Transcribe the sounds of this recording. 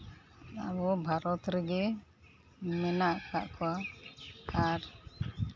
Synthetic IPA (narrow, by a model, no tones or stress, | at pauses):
a̰bɔbʱaɾɔt̪ɾɛɡɛ | mɛnaʔkʰaʔkʰɔwa | aɾ